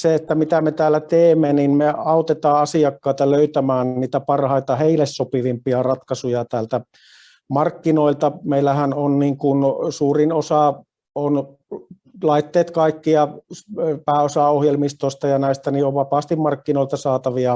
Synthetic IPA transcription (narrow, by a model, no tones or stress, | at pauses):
seet̪ːæmit̪æmet̪æːlːæt̪eːmːeninmeɑˑut̪et̪ɑːɑsiɑkːɑˑit̪ɑløyt̪æmæːnniːt̪æpɑrhɑˑit̪ɑheilessopiʋimpiɑrɑt̪kɑsujɑt̪æːlt̪æ | mɑrkːinoˑilt̪ɑmeilːæhænonniːŋkunsuːrinosɑ | on | lɑˑit̪ːeːt̪kɑˑikːiɑ | pæːosɑohjelmist̪oˑist̪ɑjɑnæˑist̪ænioʋʋɑpɑːst̪immɑrkːinoˑilt̪ɑsɑːt̪ɑʋiɑ